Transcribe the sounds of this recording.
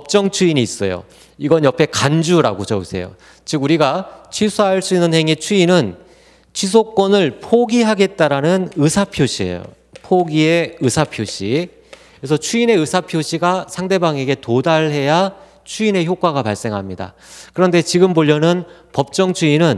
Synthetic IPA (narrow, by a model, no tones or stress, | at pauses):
pʌp̚t͡ɕ͈ʌŋt͡ɕʰuiɲiːs͈ʌ̰jo̰ | iɡʌnjʌpʰe̞kand͡ʑuɾa̰ɡot͡ɕʌɯsʰe̞̰jo̰ | t͡ɕɯɡuɾiɡat͡ɕʰɥisʰaɦaɭs͈uinːɯnhe̞ŋet͡ɕʰuinɯn | t͡ɕʰis̬ʰok͈wʌnɯɭpʰoɡiɦaɡe̞t̚t͈aɾanɯnɯsʰapʰjoɕʰie̞̰jo̰ | pʰoɡie̞ɯsʰapʰjoɕʰi | kɾes̬ʰʌt͡ɕʰuine̞ɯsʰapʰjoɕʰiɡasʰaŋde̞baŋe̞ɡe̞todaɭɦe̞ja | t͡ɕʰuine̞çjok͈waɡapaɭs͈e̞ŋɦamɲida̰ | kɯɾʌnde̞t͡ɕiɡɯmboʎːʌnɯn | pʌp̚t͡ɕ͈ʌŋt͡ɕʰuinɯn